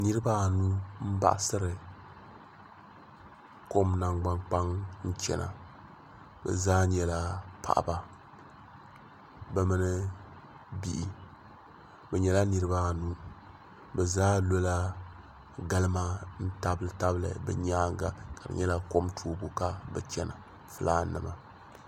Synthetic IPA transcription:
nɨ˦ɾɨ˦ba˦˨nu˦m̩˦ba̰˦˨ʔsɨ˦ɾɨ˨ | ko˦mna˨ŋɡ͡ba˨ŋk͡pa˦ŋn̩˦t͡ʃɛ̰˨na̰˨ | bɛ̰˨zaː˦ɲɛ˦la˨pa̰˨ʔba˨ | bɛ˨mɨ˦nɨ˦ | bi˦ʔi˦ | bɛ˨ɲɛ˨la˦nɨ˨ɾɨ˦ba˦˨nuː˦ | bɛ˨zaː˦lo˦la˦ | ɡa˦lɨ˦ma˦n̩˦ta˦bɨ˨ta˦blɨ̰˨bɛ̰˨ɲaː˦ŋɡa˨ka˨dɨ̰˨ɲɛ˦la˦ko˦mtʰuː˦bo˦ka˦bɛ˨t͡ʃɛ˦na̰˨ | fɨ˦laː˦nɨ̰˨ma˨

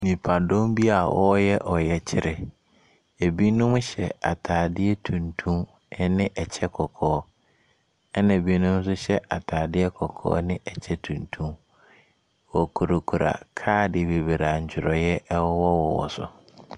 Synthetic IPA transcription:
mĩ˨pʰa˨dõ˦mbi˦a˨wɔ˦jɛ˦ʔɔ˨jɛ˨t͡ɕʰɪ˦ɾʔɪ˨ | e˨bi˦nʊ̃˦m˦ɕɛ̰˨a̰˨tʰaː˨dɪ˦ɛ˦tʰũ˨ntʰũ˦m | ɛ˦nɪ̃˦ʔɛ˨t͡ɕʰɛ˦kʰɔ˨kʰɔː˨˦ | ɛ˦nã˨bi˦nʊ̃˦m˦s̬ʊ˦ɕɛ˦ʔa˨tʰaː˨dɪ˦ɛ˦kʰɔ˨kʰɔ̰ː˦nɪ̃˦ɛ˨t͡ɕʰɛ˦tʰũ˨ntʰũ˦m | wɔ˨kʰo˨ɾo˨kʰu˨ɾa̰˨kʰaː˦dɪ˨be˨be˨ɾa˨ɲ̩˨t͡ɕᶣɪ˨ɾɔ˨jɛ˦ʔwɔ˦wɔ˦wɔ˨wɔ̰˨sʊ̰˨

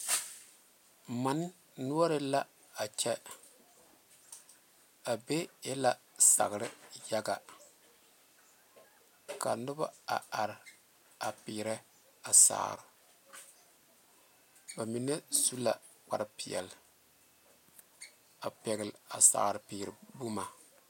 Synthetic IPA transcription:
ma˨˦n˦ | nu˦ɔ˦ɾɨ˦la˦ | a˨t͡ʃɛ˦ | a˨be˦jɛ˦la˨ | sa̰˨ɣɾɪ˦ja˦ɡa˨ | ka̰˨nʊ˦ba˦a̰˨a˨ɾ | a˨pɪ˨ɾɛ˦ | a˨sa̰ː˨ɾɪ̰˨ | ba˨mi˨ne˦su˦la˨ | k͡pa̰˨ɾɨ˦pɪ˨ɛ̰˨l | a˨pɛ˨ɡɪ˨lɪ˨a˨sa̰ː˨ɾɨ˨piː˨ɾɪ˨bu˦ma˨

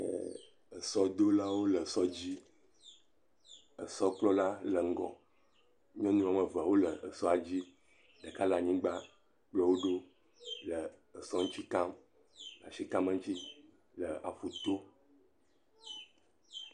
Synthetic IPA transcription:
ə̰˨ | ə˨sɔ˦d̪o˦la˦wo˦lə˨sɔ˦d͡ʑi˦ | ə˨sɔ˦k͡plɔ˦la˦lə˨ŋ̩˦ɡɔ̰̃˨ | ɲ˦ɔ̃˦nũ˦a˨mə̃˨va˨wo˦lə˨ə˨sɔ˦a˨d͡ʑi˦ | ɖə˨ka˦la˨ɲĩ˦ɡ͡ba˦ | k͡plɔ˨wo˦ɖo˦ | lə˨ə˨sɔ˦ŋ̩˦t͡ɕi˦ka˦m | la̰˨ʃi˦ka˦mə˦ŋ̩˦t͡ɕi˦ | lə˨a̰˨fu˨t̪o˦

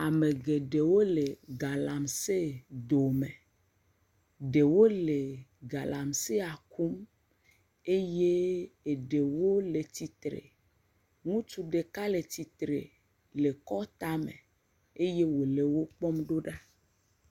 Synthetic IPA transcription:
a˨me˨ɡe˨ɖe˨wo˦le˨ɡa˨la˨mse˦d̪o˨mẽ˨ | ɖe˨wo˦le˨ɡa˨la˨mse˦a˨ku˦m | e˦je˦e˨ɖe˨wo˦le˨t̪i˨t̪ɾḛ˨ | ŋũ˦t͡ʃu˨ɖe˨ka˦le˨t̪i˨t̪ɾḛ˨ | le˨kɔ˦t̪a˦mḛ̃˨ | e˦je˦wo˨le˨wo˦k͡pɔ˦mɖo˦ɖa˦

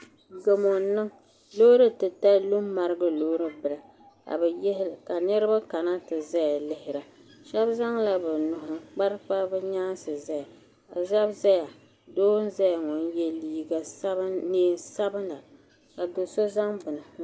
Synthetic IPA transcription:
ɡo˨mo˨nɨ˦ŋ | lo˦ɾɨ˦tɨ˨ta˦lu˦mːa˨ɾɨ˦ɡɨ˦loː˦ɾɨ˦bɨ˨la˨ | ka̰˨bɛ˨jɛ˦hɪ˦lka˨nɨ˦ɾɨ˦ba˦ka˨na˦tɨ˨za˦ja˨lɪ˦hɪ˨ɾa˨ʃa˦bza˦ŋla˦bɛ˨nʊ˨hʊ˨k͡pa˦ɾk͡pa˦bɛ˦ɲaː˦n˦sɨ˨za˦ja˨ | a˨za˦bza˦ja˨ | doː˦n̩˦za˦ja˨ŋɔ˨njɛ˦liː˦ɡa˨sa˦bneː˦nsa˦bɨ˦nla˨ | ka˨do˨so˦za˦ŋbɨ˨nɨ˨

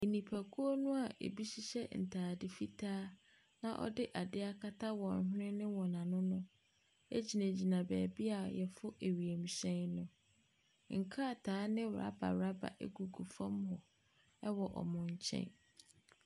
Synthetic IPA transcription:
e˨nĩ˨pʰæ˨kʰu˦o˦nʊ̃˦a˨ʔḛ˨bi˦ɕi˦ɕɛ˦n̩˨tʰaː˨dɪ˨fi˦tʰaː˦ | nã˦ʔɔ̰˦dɪ˦ʔa˨dɪ˦a˦kʰa˦tʰa˦wɔ̃˨n˨˦ɦʊ̃˦ɾɪ̃˦nɪ̃˦wɔ˨nã˨nʊ̃˦nʊ̃˦ | ḛ˦d͡ʑi˨næ̃˨d͡ʑi˨nã˨bɛː˨bi˦a˨jɛ˨fʊ˦ʔe˨ɥi˨e˨m̩˨ɕɛ̃˦nnʊ̃˦ | ŋ̩˨kʰa˦˨tʰaː˨˦nɪ̃˦wa̰˦ba̰˨wɾa˦ba̰˨ʔḛ˦ɡu˨ɡu˨fã˦mhɔ˨ | ɛ˦wɔ˨ʔɔ̰˨mʊ̃˨ɲ̩˨t͡ɕʰɛ̰̃˦n

